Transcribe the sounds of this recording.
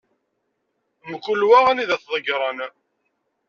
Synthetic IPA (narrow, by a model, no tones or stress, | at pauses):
məkʷːʊlwæʁæniðæθðˤəɡɾˤɑn